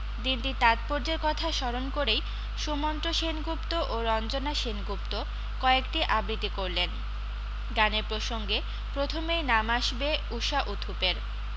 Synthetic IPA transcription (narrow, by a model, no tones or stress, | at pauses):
d̪inʈit̪at̪̚poɾd͡ʑeɾkɔt̪ʰaʃɔɾonkoɾej | ʃumɔnt̪ɾoʃenɡupt̪oʔoɾɔnd͡ʑonaʃenɡup̚t̪o | kɔekʈiʔabɾit̪ikoɾlen | ɡaneɾpɾoʃoŋɡe | pɾot̪ʰomejnamaʃbeuʃaʔut̪ʰupeɾ